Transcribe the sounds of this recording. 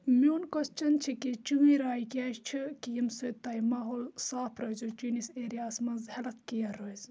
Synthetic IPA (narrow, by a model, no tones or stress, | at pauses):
muːnkɐst͡ʃɐnt͡ʃʰiket͡ʃuwĩɾaːjkʲjaːʃt͡ʃʰikijɐmsojt̪ɐjmaːɦoːlsaːpʰɾɐzut͡ʃuniseːɾijaːsmɐnzhɐlɐt̪ʰkijɐɾozʲ